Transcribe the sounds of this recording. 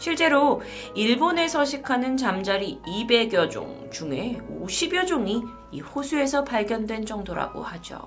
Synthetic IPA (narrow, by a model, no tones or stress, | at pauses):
ɕʰiɭt͡ɕ͈e̞ɾo | iɭbone̞sʰʌɕʰikʰanɯnt͡ɕamd͡ʑaɾiibe̞ɡjʌd͡ʑo̰ŋ | t͡ɕuŋe̞oɕʰibjʌd͡ʑoŋi | iɸosʰue̞sʰʌpaɭɡjʌndwe̞nd͡ʑʌŋdoɾa̰ɡo̰had͡ʑo̰